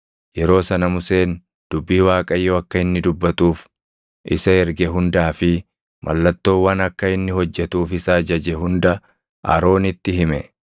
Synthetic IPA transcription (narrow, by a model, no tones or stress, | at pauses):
jɛɾo̞ːsɐnɐmʊse̞ːn | d̪̥ʊbːiːwaːkʼɐjːoːɐkːɐɪnːɪd̪ʊbːɐt̪uːf | ʔɪsɐɛɾɡɛɦʊnd̪aːfɪ | mʔɐ̰lːɐt̪ːo̞ːwːɐnɐkːɐɪnːɪhɔd͡ʒːɛt̪uːfɪsaːd͡ʒɐd͡ʒɛɦʊnd̪ɐ | ʔɐ̰ɾo̞ːnɪt̪ːɪhɪmɛ